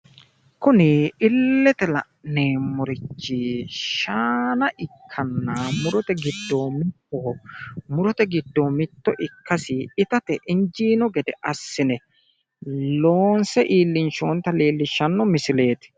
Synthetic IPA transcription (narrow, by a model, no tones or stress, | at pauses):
kʊnɪɪlːɛt̪ɛlɐ̰ʔneːmʊɾɪt͡ʃːiːʃaːnɐʔɪkʰːɐnːɐmʊɾɔt̪ɛɡɪd̪ːoːmɪt̪ːɔmʊɾɔt̪ɛɡɪd̪ːomɪt̪ːɔʔɪkːɐsɪɪt̪ɐt̪ɛʔɪnd͡ʒiːnɔɡɛd̪ɛʔɐsːɪnɛ | loːnsɛʔiːlːɪnʃoːnt̪ɐliːlːɪʃːɐnːɔmɪsɪle̞ːt̪ɪ̥